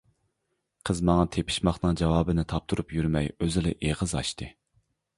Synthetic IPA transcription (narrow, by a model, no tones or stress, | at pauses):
qʰəzmɑŋɑt̪ʰepʰɪ̥ʃmɑχnɨŋd͡ʒɑwɑːbɨnɪt̪ʰɑp̚t̪ʰuɾupjyɾmɛjøzɪlɪʔeʁəzɑ̰ʃt̪ɨ